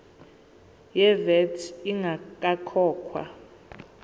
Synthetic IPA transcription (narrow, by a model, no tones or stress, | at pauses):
jɛvɛtʰiŋʱak̬ʼakʰɔːkʰwa̰